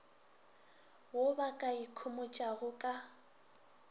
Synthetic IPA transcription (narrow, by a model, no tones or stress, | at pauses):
wobakʼaikʰʊmʊt͡ʃʼaɣʊkʼa